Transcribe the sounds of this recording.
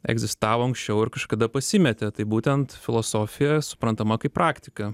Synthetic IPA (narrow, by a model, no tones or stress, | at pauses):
ɛ̰ɡzʲɪst̪ɑːʋoːɐŋksʲt͡ʃʲɛʊɪɾkɐʃkɐd̪ɐpɐsʲɪmʲɛt̪ʲɛt̪ɐɪbuːt̪ʲɛnt̪fʲɪlˠoːsoːfʲɪjɛsʊ̥pɾɐnt̪ɐmɐkɐɪpɾɑːkt̪ʲɪkɐ